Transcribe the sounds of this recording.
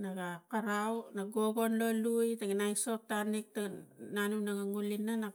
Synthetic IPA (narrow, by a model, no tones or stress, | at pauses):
naɡakaɾawnaɡo̞ɡo̞nlo̞lujtaɡinajso̞k̚tanik̚tananunaɡaŋulinana